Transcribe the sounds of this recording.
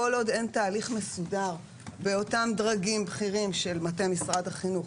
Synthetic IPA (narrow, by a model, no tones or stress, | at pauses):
olo̞de̞ntaːliχmesudaʁ | beo̞tamdʁaɡimbχiʁimʃe̞lmatemisʁadhaχinuχ